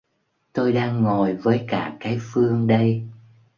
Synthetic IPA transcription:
t̪o˧jɗaː˧ŋːo˨˩jvəː˨˦jkaː˧˩kaː˨˦jfɨ˧əŋɗə˧j

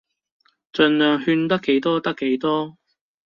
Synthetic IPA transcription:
t͡ʃɵ˧nlœː˨˧ŋhyː˧nt̪ɐ˥kːe˨˥jt̪ɔː˥t̪ɐ˥kːe˨˥jt̪ɔː˥

